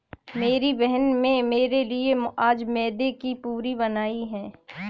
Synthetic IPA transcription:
meːɾibɛɦənmẽmeːɾeliemʊʔaːd͡ʒmɛːd̪ekipuːɾibɐnaːiɦɛ̃ː

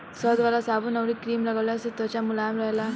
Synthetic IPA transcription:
səd̪ʋalasabuːnaʋɾikɾiːmlaɡawlaset̪ɔt͡ɕamulajamɾaɦjla

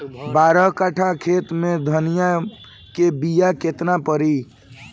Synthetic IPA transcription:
baːɾəɦkəʈʰakʰet̪mẽd̪ʱənija | kebijaket̪napəɾi

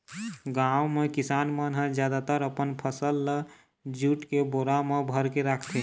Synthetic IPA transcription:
ɡawmekisanmənɦə̃d͡ʒjad̪at̪əɾəpənpʰəsəlːə | d͡ʒuʈkeboɾamebʱəɾkeɾakʰt̪ʰe

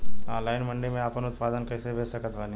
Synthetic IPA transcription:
ãːlaːɪnmɐ̃ɳɖemẽaːpənʊt̪paːd̪ənkɐːseʋʱeːsɐkət̪ʰʋaːnĩ

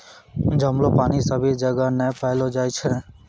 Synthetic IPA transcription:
d͡ʒəmlopaːniːsəbʱid͡ʒəɡanɛpəːlod͡ʒaːjt͡ʃʰɛː

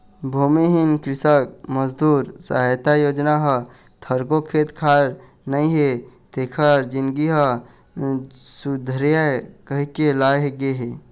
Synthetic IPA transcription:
bʱuːmiɦinkɾɪsək̚məzd̪uːɾsaɦjt̪ajoːd͡ʒnaɦə | t̪ʰəɾkokʰeːt̪kʰaːɾ | nəĩɦet̪ekʰəɾd͡ʒinɡiɦə | sud̪ʱɾjakəɦikelaːɦeɡeɦe

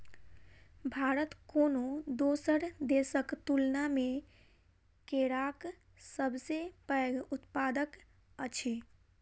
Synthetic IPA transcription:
bʱaɾət̪konod̪osəɾd̪esəkt̪ulname | keɾak | səbʱsepəɡut̪pad̪ək | ət͡ʃʰe

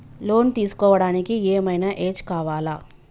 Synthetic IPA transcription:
loːnt̪iːsu̥kɔːʋɐɽaːnikieːmɐjnaʔeːd͡ʒkaːʋaːlaː

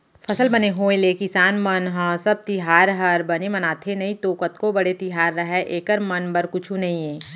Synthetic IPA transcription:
pʰɐsəlbɐneɦoːẽleːkɪsaːnmənɦə̃sɐb̚t̪ɪɦaːɾɦɐɾbɐnemɐnaːt̪ʰenɐĩt̪oːkət̪kobɐɽet̪ɪɦaːɾːɐɦɛʔeːkəɾmɐnbɐɾkʊt͡ʃʰũnɐɦĩẽː

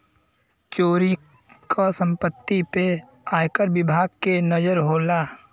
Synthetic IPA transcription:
t͡ʃoːɾi | kʰasə̃mpət̪ːipe | aːjkəɾbɪbʱaːɡ̚kenəd͡ʒəɾɦoːlaː

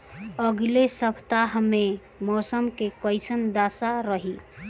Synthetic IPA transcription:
əɡlesəpʰt̪aɦme | mɔːsəmkekɔɪsənd̪aːsaɾəɦi

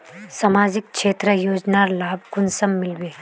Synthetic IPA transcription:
samaːd͡ʒɪk̚ʃeːt̪ɾəjoːd͡ʒnaːɾlaːbʱkʊnsəmːɪlʋeː

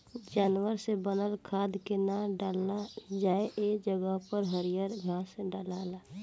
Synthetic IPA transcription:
d͡ʒaːnwəɾsebənəlkʰaːd̪kenaɖalad͡ʒaːeʔeːd͡ʒəɡəɦpəɾɦəɾijəɾɡʱaːseɖaːlaːlaː

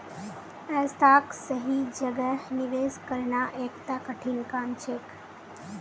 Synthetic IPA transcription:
ɛst̪aːksəɦid͡ʒəɡəniʋeːskəɾɳaʔekt̪akəʈʰinkaːmt͡ʃʰeːk

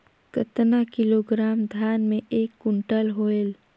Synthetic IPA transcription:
kət̪nakɪloːɡɾaːmd̪ʱjaːnmẽeːkːʊɳʈəlɦoːel

